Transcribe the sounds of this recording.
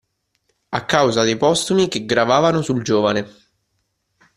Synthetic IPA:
akːawzad̪ejpɔst̪umikeɡɾavaːvanosuld͡ʒoːvane

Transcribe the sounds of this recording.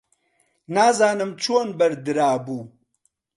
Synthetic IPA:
naːzaːnɨmt͡ʃʰoːnbɐɾd̪ɨɾaːbuː

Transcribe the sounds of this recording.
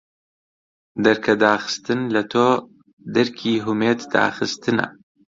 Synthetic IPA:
d̪ɐɾkʰɐd̪aːxɨ̥st̪ɨnlɐt̪ʰoː | d̪ɐɾkʰiːɦumeːt̪d̪a̰ːxɨst̪ɨnɐ̰

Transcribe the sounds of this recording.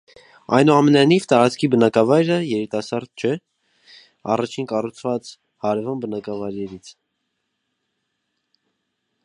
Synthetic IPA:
ɑjnuɑmɛnɑjnivt̪ɑɾɑt͡skʰibənɑkɑvɑjɾəjɛɾit̪ɑsɑɾd̪̚t͡ʃʰɛ | ɑ̰rɑt͡ʃʰinkɑrut͡sʰvɑt͡s | hɑɾɛvɑnbənɑkɑvɑjɾɛɾit͡sʰ

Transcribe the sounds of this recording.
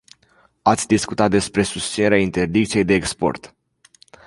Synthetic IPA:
at̪sʲd̪iskut̪at̪̚d̪e̞spɾe̞sust̪sine̞ɾeaint̪e̞rd̪ikt̪sije̞jd̪e̞ːkspo̞̰rt̪

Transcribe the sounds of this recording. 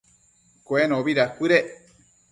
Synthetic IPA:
koenõβiɾakʷɨɾe

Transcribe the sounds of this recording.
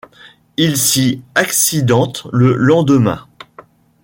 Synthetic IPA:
ilsiaksid̪ɑ̃t̪ləlɑ̃d̪əmɛ̰̃

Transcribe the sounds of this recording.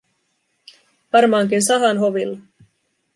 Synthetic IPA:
ʋɑrmɑːŋkinsɑɦɑnɦo̞ʋilːɑ

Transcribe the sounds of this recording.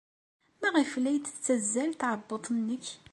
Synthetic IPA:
mæʁiflːæjt̪ːə̥t͡sːæzːælt̪ʕəbːət̪ˤnːəç

